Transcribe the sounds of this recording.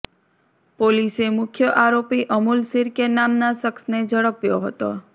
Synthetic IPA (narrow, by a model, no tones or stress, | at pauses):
polisemʊkʰjəʔaɾopiʔəmulsiɾkenamnasəksned͡ʒəɽəpjoɦət̪o̰